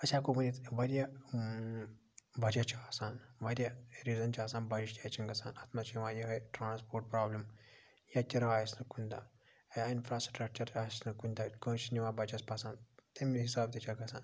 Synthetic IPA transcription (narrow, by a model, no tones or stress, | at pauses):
ɐt͡ʃʲaːkubɐnit̪ʋɐɾja | bɐd͡ʒɐt͡ʃʰiasaːnʋɐɾʲjaɾiːzɐnt͡ʃʰiaːsaːnbɐɾiʃt̪ʲat͡ʃʰinɡɐsa̰ːnɐt̪mɐt͡ʃʰʋãːjɐɦɐʈɾaːnspoːɾʈ̚pɾaːblim | jɐt͡ʃʲiɾaːjsnɨkunʲd̪a | infʰɾaːsʈɾɐk̚t͡ʃɐɾt͡ʃʰasnɨkunʲd̪akɐt͡ʃiniʋãbɐd͡ʒɐspasaːnt̪ɐmiɦisaːb̚t̪et͡ʃʰɐɡɐsa̰ːn